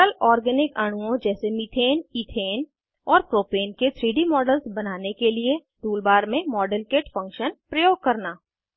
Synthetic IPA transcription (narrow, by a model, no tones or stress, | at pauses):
kəlɔːɾɡɛːnɪkaɽ̃uõd͡ʒɛːsemiʈʰeːniːʈ̪ʰeːn | ɔːɾpɾoːpeːnket̪ʰɾiːɖimɔːɖəlsbɐnaːnekelie | ʈ̪uːlbaːɾmẽmɔːɖəlkeːʈfɐ̃ŋkʃənpɾɐjoːɡ̚kɐɾnaː